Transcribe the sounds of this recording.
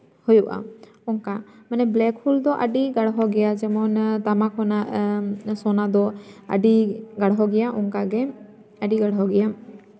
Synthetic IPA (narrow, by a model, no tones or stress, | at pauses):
hujuʔa̰ | ɔŋkamanɛblɛkhuld̪ɔʔaɖiɡaɽɦɔɡɛjad͡ʒɛmɔnt̪amakʰɔnaʔsɔnad̪ɔa̰ɖiɡaɽɦɔɡɛjaʔɔŋkaɡɛ | aɖiɡaɽɦɔɡɛja